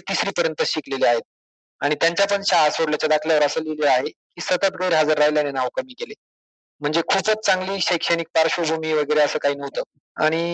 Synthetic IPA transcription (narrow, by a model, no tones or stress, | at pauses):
t̪isɾiːpəɾjənt̪əɕikleleaɦet̪̚ | aɽ̃it̪jaɲt͡ɕjap̬əɳɕaːsʋoɽljat͡ɕjad̪akʰljaʋəɾəsəleleaɦekiːsət̪ət̪ɡəjɾɦad͡zəɾːajljanenaʋkəmiːkele | m̤əɳd͡zekʰuːpət͡st͡saŋɡliːɕəjkʂəñiːk̚paɾɕəbʱumiːʋəɡəjɾeəsəːkaɦiːnəʋt̪əː | a̰ɽ̃i